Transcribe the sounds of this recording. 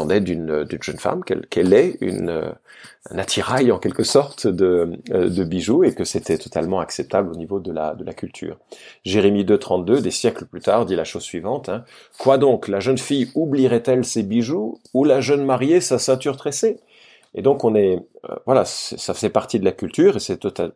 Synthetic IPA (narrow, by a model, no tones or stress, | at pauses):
ɑ̃d̪ɛd̪ynd̪ynʒœnfa̰mkɛ̰lkʰɛlɛy̰nø̰ | ɛ̰̃nat̪ʰiʁajɑ̃kʲɛlkəsɔʁt̪d̪əd̪əbiʒuekəset̪ʰɛt̪ɔ̥t̪almɑ̃aksɛp̚t̪ablonivod̪əla̰d̪əlakʲylt̪ʰy̰ːʁʒeʁemid̪øt̪χɑ̃t̪̚d̪ød̪esjɛkləplyt̪aːʁd̪ilaʃozsɥivɑ̃t̪ɛ̃ | kwad̪ɔ̃klaʒənfijubliʁɛt̪ɛlsebiʒuːlaʒənmaʁjesasɛ̃t̪yʁt̪χese | ed̪ɔ̃kɔ̃nɛ̰vwalaɛsafəzɛpaʁt̪id̪əlakʲylt̪yːʁesɛt̪ɔt̪a